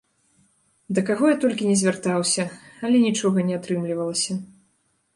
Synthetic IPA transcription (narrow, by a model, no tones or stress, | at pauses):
d̪ɐkaɣɔjat̪ɔlʲkʲinʲɛzʲvʲart̪awsʲɐalʲɛnʲit͡ʂɔɣɐnʲɛat̪ɾɨmlʲivɐlˠɐsʲɐ